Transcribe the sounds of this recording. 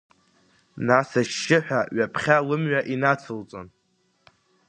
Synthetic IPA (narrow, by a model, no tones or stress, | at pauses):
nasaʃːɪħʷᶣaɥapʰχʲalɨmɥaʔinat͡sʰɨlt͡sʼo̰n